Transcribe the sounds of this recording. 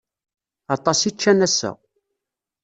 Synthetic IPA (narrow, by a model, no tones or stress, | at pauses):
ɑt̪ˤːɑsit͡ʃːænæsə̰